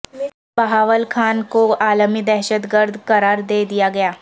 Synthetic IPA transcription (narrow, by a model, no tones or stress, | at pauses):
bɐɦaːʋəlkʰaːnkoaːləmid̪ɛɦʃət̪ɡəɾd̪ʱkɐɾaːɾd̪eːd̪ijaɡɐjaː